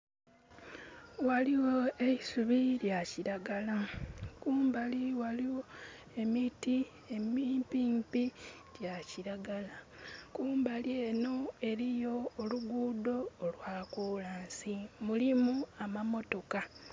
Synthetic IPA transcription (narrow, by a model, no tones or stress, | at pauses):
waliwo̞eisuβiljaciɾaɡalakuːmbaliwaliwo̞ | e̞miti | emiːmpiːmpi | ɟaciɾaɡalakuːmbalje̞ːno̞e̞ɾijo̞ːluɡuːdo̞ːlwaːkuːlaːnsimulimuamamo̞to̞ka